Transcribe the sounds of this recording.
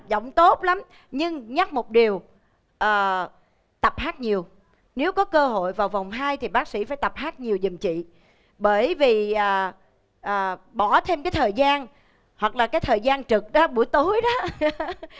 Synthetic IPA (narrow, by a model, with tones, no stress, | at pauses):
zə̰˧˨wŋ͡mt̪o˦˥t̚la˨˦m | ɲɨ˧ŋɲa˦˥k̚mo˨˩t̚ɗi˨˩əw | ʔəː˨˩ | t̪ə˨˩p̚haː˦˥t̚ɲi˨˩əw | ne˨˦wkɔ˨˦kəː˧ɦo̰˧˨jvaː˨˩wva˨˩wŋ͡mɦaː˧jt̪ʰi˨˩ɓaː˦˥k̚sḭ˧˥faː˧˦jt̪a˨˩p̚haː˦˥t̚ɲi˨˩wzi˨˩mt͡ɕḭ˧˨ | ɓəː˧˩jvi˨˩ʔəː˨˩ | ʔəː˨˩ɓɔ˧˩t̪ʰe˧mkaː˨˦jt̪ʰəː˨˩jzaː˧n | hwa˨˩k̚laː˨˩kaː˨˦jt̪ʰəː˨˩jzaː˧nt͡ɕɨ˨˩k̚ɗɔ˨˦ɓu˧˩əjt̪o˨˦jɗɔ˨˦